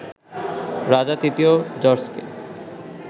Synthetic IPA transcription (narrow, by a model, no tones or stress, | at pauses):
ɾad͡ʑat̪it̪iod͡ʑɔɾskḛ